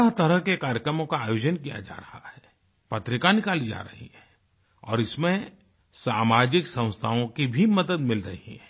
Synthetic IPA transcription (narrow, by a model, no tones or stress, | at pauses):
aɦt̪ɐɾəɦkekaːɾjəkɾəmõkaaːjoːd͡ʒənkija̰d͡ʒa̰ːɾɐhahɛː | pɐt̪ɾɪkanɪkaːlid͡ʒa̰ːɾɐ̰ɦiɦɛ | ɔ̰ːɾɪsmẽ | saːmaːd͡ʒɪksɐ̃w̃st̪ʰaõkibʱimɐd̪əd̪mɪlɾɐ̰ɦiɦɛ̃ː